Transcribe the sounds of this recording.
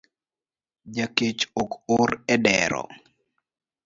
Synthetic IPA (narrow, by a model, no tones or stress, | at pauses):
d͡ʒaket͡ʃokʊɾɛdɛɾɔ̰